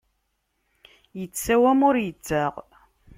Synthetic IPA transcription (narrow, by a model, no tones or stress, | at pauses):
jət͡sːæwæmʊɾjət͡sːaʁ